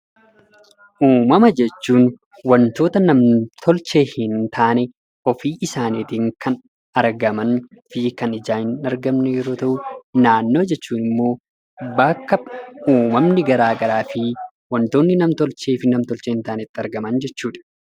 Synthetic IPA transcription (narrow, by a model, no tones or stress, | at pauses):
ʔuːmɐmɐd͡ʒɛt͡ʃːuːn | wɐnt̪o̞ːt̪ɐnɐmt̪ʰɔlt͡ʃe̞ːhɪnt̪ʰaːnɛ | ɔfiːʔɪsaːniːt̪iŋkɐn | ɐɾɡɐmɐn | fɪkɐnɪd͡ʒaːhɪnɐɾɡɐmnɛjɛɾo̞ːt̪ɐʔʊnaːnːo̞ːd͡ʒɛt͡ʃːuːnɪmːo̞ː | bɐkːɐuːmɐmnɪɡɐɾaːɡɐɾaːfɪ | wɐnt̪o̞ːnːɪnɐmt̪ɔlt͡ʃe̞ːfɪnɐmt̪ɔlt͡ʃeːhɪnt̪aːnɛt̪ːɪɐɾɡɐmɐnd͡ʒɛt͡ʃːuːᶑɐ̥